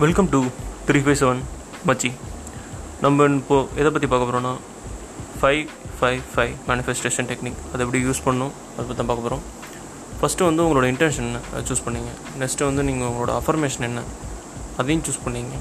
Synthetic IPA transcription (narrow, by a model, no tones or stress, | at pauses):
ʋɪlkɐmʈut̪ʰɾiːfɐɪsɛʋɐn | mɐt͡ʃːi | nɐmːbɐɪnːɯpːoːɛðɐp̬ːɐt̪ːipaːkɐpːɾõːnaː | fɐɪʋ | fɐɪfɐɪmaːnɪfɛsʈeːʂɐnʈɛkniːkɐðɛp̬ːɐɽijuːspɐɳːʊ̃ | ɐðɐpːɐt̪ːãːpaːkːɐpːɾõː | fɐsʈɯʋɐnd̪ɯʊŋɡɐɭoːɽɐɪ̃ɳʈɛnʂɐnɛnːɐt͡ʃuːspɐɳːiːŋɡɐ | nɛksʈɯʋɐnd̪ɯniːŋɡɐʊŋɡɐɭoːɽɐ̰ɐfɐɾmeːʂɐnɛnːɐ | ɐðɐjʊ̃t͡ʃuːspɐɳːiːŋɡɐ